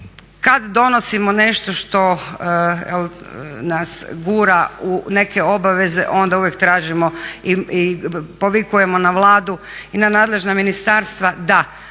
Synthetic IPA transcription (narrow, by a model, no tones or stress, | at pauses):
kad̪d̪o̞no̞simo̞ne̞ʃt̪o̞ʃt̪o̞ | jḛl | nasɡuːɾaune̞ke̞o̞baʋe̞ze̞̰ʔo̞nd̪auʋjekt̪ɾaːʒimo̞iipo̞ʋikuje̞mo̞naʋlˠaːd̪u | inanaːd̪le̞ʒnaminist̪aːɾst̪ʋad̪a